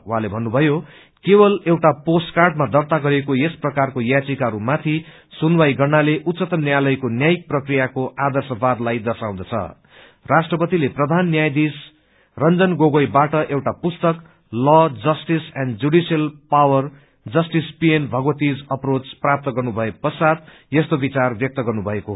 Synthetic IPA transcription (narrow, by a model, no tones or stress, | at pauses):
wɦãlebʱʌnːubʱʌjo | kebʌlewʈaposʈkarɖmad̪ʌrt̪aɡʌɾekojesprʌkarkojat͡sikaɦɾumat̪ʰi | sunwajɡʌrnaleʔut̪sʌt̪ʌmnːjalʌjkonjajik̚prʌkrijakoʔad̪ʌrsʌbad̪lajd̪ʌsaw̃d̪ʌt͡sʰʌ̰ | rasʈrʌpʌt̪ileprʌd̪ʱanːjajd̪is | rʌnd͡zʌnɡoɡʌjbaʈʌʔewʈapust̪ʌk | lɔd͡zʌsʈisɛnd͡zuɽisʌlpawʌr | d͡zʌsʈispienbʱʌɡbʌt̪id͡zʌprot͡sprap̚t̪ʌɡʌrnubʱʌepʌsad̪ | jest̪obit͡sarbjʌk̚t̪ʌɡʌrnubʱʌeko